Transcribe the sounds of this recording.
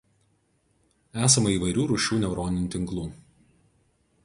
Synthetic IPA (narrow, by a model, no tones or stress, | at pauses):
æːsɐmɐiːˑʋɐɪɾʲuːɾʊʃʲuːnʲɛʊɾɔːnʲɪnʲʊt̪ʲɪŋklˠuː